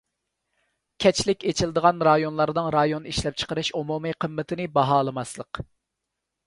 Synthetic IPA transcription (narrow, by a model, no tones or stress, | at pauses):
kʲʰɛt͡ʃʰlɪkʲet͡ʃʰilˠd̪əʁɑnɾɑjonlˠɑɾd̪ɨŋɾɑjoniʃlɛp̚t͡ʃʰə̥qəɾɨʃomumɨqʰəmːɪt̪ʰɪnɪbɑɦɑːlˠɨmɑslˠəq